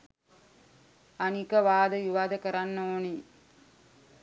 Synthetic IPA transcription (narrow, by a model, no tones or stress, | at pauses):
anikəʋaːd̪əjuʋaːd̪əkəɾanːəoni